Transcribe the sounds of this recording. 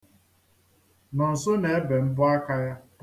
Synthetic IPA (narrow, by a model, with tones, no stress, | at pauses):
nɔ˨n̩˨so˦ne˨e˦be˨m̩˦bʊ˦a˦ka˦ja˦